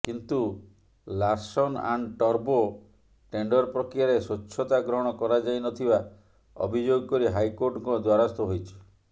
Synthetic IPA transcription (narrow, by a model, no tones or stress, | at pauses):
kint̪u | laɾsɔna̰nʈɔɾbo | ʈeɳɖɔɾpɾɔkɾijaɾesot͡ʃːʰɔt̪aɡɾɔɽ̃ɔkɔɾad͡ʒajnɔt̪ʰiba | ɔ̰bʱid͡ʒoɡɔkɔɾiɦajkoɾʈɔŋkɔd̪waɾast̪ɔɦojt͡ʃʰi̥